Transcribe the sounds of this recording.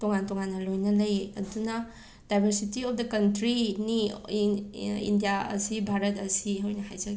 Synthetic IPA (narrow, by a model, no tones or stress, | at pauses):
toŋantoŋanːɐlojnɐlɐjɐ̰dunɐ | dajbʱɐɾsitiɔp̚dɐkɐntɾini | ḭndijaɐ̰sibʱaɾɐtɐsiɦowjnɐhajzɐkɡ